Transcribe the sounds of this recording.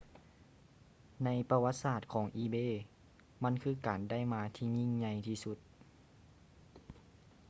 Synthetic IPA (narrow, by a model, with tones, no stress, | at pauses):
na˧˥jpa˧wa˧t̪̚saː˧˩t̪̚kʰɔː˩˦ŋʔiː˧beː˧˥˨ | ma˧˥˨nkʰɯː˧˥˨kaː˨˩nda˥˩˨jmaː˧˥t̪ʰiː˧˩ɲi˧˩˨ŋɲa˧jt̪ʰiː˧su˧˦t̪̚